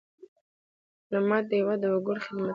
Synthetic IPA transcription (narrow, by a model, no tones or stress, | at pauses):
lamɑd̪əjawad̪əwʊɡʊɽxɪd̪ma